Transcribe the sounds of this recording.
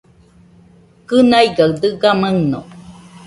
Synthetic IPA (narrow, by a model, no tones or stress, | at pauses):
kɯnajɡawd̪ɯɡaməŋno̰